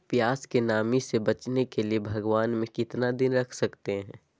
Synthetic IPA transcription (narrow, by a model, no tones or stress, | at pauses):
pjaːskenaːmisebɐt͡ʃnekeliebʱɐɡwaːnmẽkɪt̪nad̪ɪnɾɐkʰsɐkt̪eɦɛ̰̃ː